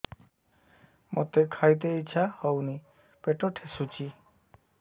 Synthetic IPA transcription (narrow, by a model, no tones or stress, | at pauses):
mot̪ekʰajt̪̬eit͡ʃʰahɔwni | peʈɔʈʰesut͡ʃʰi